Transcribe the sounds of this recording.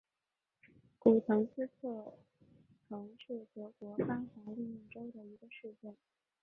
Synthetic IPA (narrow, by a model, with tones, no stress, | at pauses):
ku˨˩t̪ʰɤ˧˥ŋt͡sɹ̩˥t͡sʰɤ˥˩ | t̪ʰɤ˧˥ŋʈ͡ʂɻ̩˥˩xɤ˧˥kwɔ˧˥fa˥xwa˧˥li˥˧i˥˩ʈ͡ʂo˥ʊd̪ə˨i˧˥ɡə˧ʂɻ̩˥˧t͡ɕjɛ˥˩n